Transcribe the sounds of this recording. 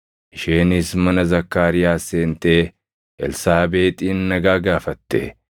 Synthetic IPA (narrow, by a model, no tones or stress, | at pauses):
ʔɪʃeːnɪsmɐnɐzɐkːaːɾɪjaːse̞ːnt̪eː | ʔɛlsaːbe̞ːt̪ʼiːnːɐɡaːɡaːfɐt̪ːḛ